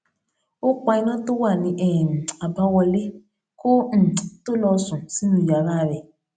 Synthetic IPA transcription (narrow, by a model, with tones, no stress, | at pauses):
u˦k͡pa˨˦i˦nɔ˦tu˦wa˨ni˨ʔɛ˨a˨pa˦wɔ˨li˦ | ku˦n̩˨tu˦lɔ˦su˨si˦nu˨ja˨ɾa˦˨βɛ˨